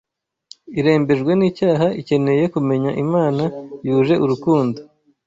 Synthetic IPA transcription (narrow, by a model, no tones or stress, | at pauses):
iɾe̞ːmbe̞ʒɡwe̞niːcaːɦaice̞ne̞je̞kume̞ɲaʔimaːnajuːʒe̞ʔuɾukuːndo